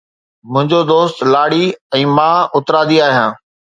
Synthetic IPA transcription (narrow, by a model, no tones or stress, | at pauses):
mʊ̃ɦɪ̃ɲd͡ʑod̪oːst̪laːɽiɛ̃ːmãːʊt̪ɾaːd̪iaːɦijãː